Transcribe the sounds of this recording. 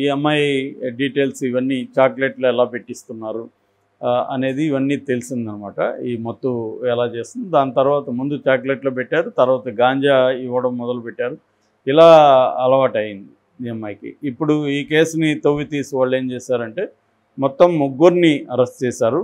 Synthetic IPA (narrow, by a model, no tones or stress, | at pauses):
iɛmːɐjɖiːʈeːlsiʋɐnːit͡ʃaːkleʈloːɛlaːpe̞ʈːist̪unːaːɾu | ɐ̰ne̞ːd̪iːʋɐnːiːt̪e̞lisind̪ɐnːɐmaːʈɐ̰imɔt̪ːuɛlaːt͡ʃe̞ːst̪und̪id̪aːnit̪ɐɾuʋaːt̪ɐmund̪ut͡ʃaːk̬leʈloːpeʈːaːɾut̪ɐɾuʋaːt̪ɐɡaːɲd͡ʒaːiʋːɐɽɐmːɔd̪ɐlupɛʈːaːɾu | ilaːɐlɐʋaːʈɐjind̪i | emːɐjkḭːpːuɽuiːke̞ːsnit̪oʋːit̪iːsiʋaːɭːe̞ːmt͡ʃɛːsaːɾɐɳʈe̞ː | mɔt̪ːɐmːuɡːuɾniɐɾɐsʈt͡ʃɛːsaːɾu